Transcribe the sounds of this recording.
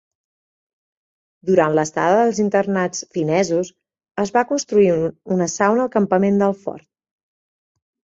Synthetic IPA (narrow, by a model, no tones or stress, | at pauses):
d̪uɾant̪ləst̪a̰ðəðəlˠzint̪ərnat͡sfinɛzus | əzβakunst̪ɾuiunəsawnəlˠkəmpəmend̪əlˠfɔ̰ɾt̪̚